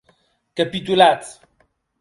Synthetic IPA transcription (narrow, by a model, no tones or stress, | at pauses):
kɐpit̪ulat̪